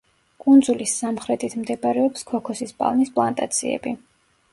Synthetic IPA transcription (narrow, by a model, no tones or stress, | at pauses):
kʼund̪zulisamχɾɛt̪ʰit̪ʰmd̪ɛbɾɛɔpskʰɔkʰɔsispʼa̰lˠnispʼlˠant̪ʼat̪sʰḭɛ̰bi